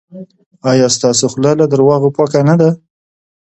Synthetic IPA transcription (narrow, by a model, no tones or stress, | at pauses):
ɑjɑst̪ɑsoxlɑlad̪əɾwɑɣopɑkanad̪a